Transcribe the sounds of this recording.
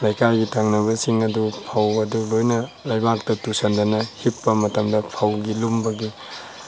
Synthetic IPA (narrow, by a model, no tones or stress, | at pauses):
lajkaɾɡitʰaŋnɐβɐsiŋɐdupʰawɐdulojnɐlajbak̚tɐtusɐndɐnɐhipːɐmɐtɐmdɐpʰawɡilumbɐɡi